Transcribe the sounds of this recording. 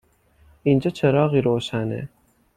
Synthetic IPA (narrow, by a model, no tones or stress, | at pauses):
ind͡ʒɒːt͡ʃʰeɾɒːɣiːɾoːʃænḛ